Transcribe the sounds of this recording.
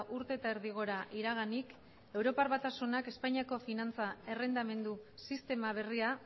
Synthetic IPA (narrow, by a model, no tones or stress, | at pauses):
ʔuɾt̪e̞ːt̪aeɾðiɣ̞o̞ɾaʔiɾaɣ̞anik | e̞wɾo̞paɾβat̪asunake̞spaɲiako̞finant͡sae̞re̞nd̪ame̞nd̪usist̪e̞maβ̞e̞ria